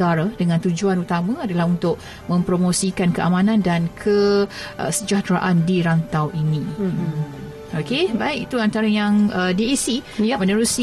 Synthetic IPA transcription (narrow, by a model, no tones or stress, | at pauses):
aɾadəŋãnt̪ud͡ʒuanut̪amãadalahɦunt̪ʊʔ̚ | mə̃mpɾomosikankəʔamãnãndankʰəʔə̰səd͡ʒat̪ɾaʔandiɾant̪awʔinĩ | okebaɪk̚it̪uant̪aɾajaŋədiesimənəɾus